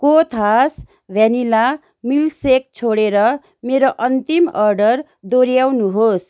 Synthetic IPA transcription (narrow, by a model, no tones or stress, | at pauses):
kot̪ʰas | bʱanila | milsek̚t͡sʰoɽeɾʌ | meɾoʔʌnt̪imʌrɖʌr | d̪oɾjawnuɦos